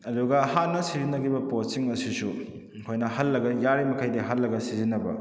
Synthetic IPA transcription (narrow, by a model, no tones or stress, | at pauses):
ɐduɡɐhanɐsizinːɐɡibɐposiŋɐsisu | kʰojnɐhɐlːɐɡɐjaɾimɐkʰajdiɦɐlːɐɡɐsizinɐbɐ̰